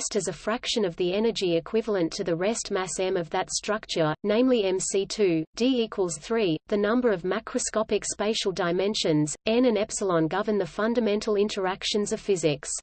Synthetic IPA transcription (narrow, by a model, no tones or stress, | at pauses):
stɨzɨfɹækʃɨ̃nʌvðiɛnə˞d͡ʒiɨkʰw̥ɪvəl̩ˠə̃ntʰɨðɨɹɛstmæsɛ̃mʌvðɨtstɹ̥ʌk̚t͡ʃə˞nẽɪ̃mliɛ̃msitʰʉd̥iikʰwəlˠz̥θɹiðɨnʌ̃mbə˞ʌvmaɪkʰɹ̥ɨskɑpɨkspeɪʃl̩ˠdaɪmɛ̃nʃɨ̃nzɛ̃nɨ̃nɛpsəlˠə̃nɡʌvə˞nðɨfʌ̃ndɨmɛ̃ntʰˡl̩ˠɪ̃ntʰə˞ækʃɨ̃nzʌv̥fɪzɪks